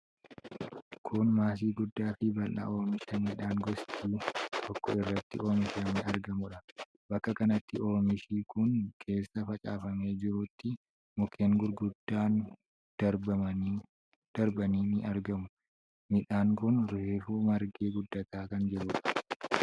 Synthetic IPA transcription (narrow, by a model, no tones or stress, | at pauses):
kʰʊnmaːs̬iːɡʊd̪ːaːfɪbɐlʔɐ̰ʔo̞ːmɪʃɐmiːᶑaːŋɡɔst͡ʃiːt̪ʰɔkːɔɪrːɐt̪ːɪ̰ʔo̞ːmɪʃɐːmɪɐɾɡɐmʊᶑɐ | bɐkːɐkɐnɐt̪ːɪo̞ːmɪʃiːkʊŋkʰe̞ːsːɐfɐt͡ʃʼaːfɐme̞ːd͡ʒɪɾuːt̪ːɪ | mʊkʰeːŋɡʊɾɡʊd̪ːaːn | d̪̥ɐɾbɐɐnː | d̪̥ɐɾbɐniːmɪʔɐɾɡɐmʊ | mɪᶑaːŋkʊnɾʊheːfuːmɐɾɡeːɡʊd̪ːɐt̪aːkɐnd͡ʒɛɾuːᶑɐ̥